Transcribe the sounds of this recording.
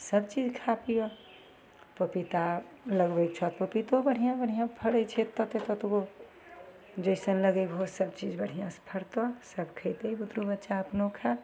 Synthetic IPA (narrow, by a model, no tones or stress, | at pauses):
səbt͡ʃid͡ʒkʰapijo | pəpit̪a | ləɡbet͡ʃʰɔt̪popit̪obəɽ̤ijãbəɽ̤ijãpʰəɽəjt͡ʃʰet̪ɔt̪et̪ɔt̪oɡo | d͡ʒəɪsənləɡəjbʱɦosəbt͡ʃid͡ʒbəɽ̤ijãspʰəɾt̪ɔsəbkʰəɪt̪ebud̪ɾubətːʃaəpnokʰa